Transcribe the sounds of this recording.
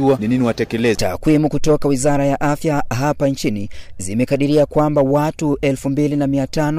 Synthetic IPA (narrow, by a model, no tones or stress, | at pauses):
uanininiwatɛkɛlɛta̰kwimukutɔkawizaɾajaʔafjaɦapant͡ʃinizimɛkaɗiɾiakwambawatuʔɛlfumbilinamiatanɔ